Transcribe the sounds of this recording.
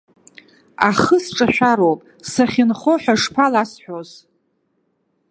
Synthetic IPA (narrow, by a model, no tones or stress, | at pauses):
aχəsʈ͡ʂʼaʃᶣʷaɾowpʼ | saχʲɪnχoħʷᶣaʂpʰalasħʷᶣoz